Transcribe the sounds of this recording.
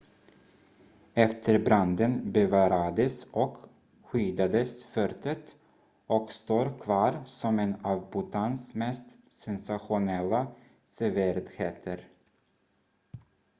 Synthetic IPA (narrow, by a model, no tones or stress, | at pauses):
ɛft̪ʰəɾbɾand̪ənbɛvɑːɾad̪əsʔɔk | ɧyːd̪ad̪əsfœɾt̪ʰət̪ | ʔɔkst̪oːɾkʰvɑːɾsɔmɛnɑːvbʊt̪ʰansmɛst̪sɛnsaɧʊnɛlːa | sɛvɪɾd̪heːt̪ʰəɾ